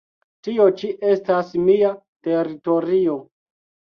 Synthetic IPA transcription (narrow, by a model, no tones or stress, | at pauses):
tio̞t͡ʃiʔe̞stasmia | te̞ɾito̞ɾio̞